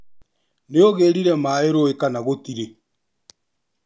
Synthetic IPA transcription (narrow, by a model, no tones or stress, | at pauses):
neoɣeːɾiɾɛmaeɾoekanaɣotiɾe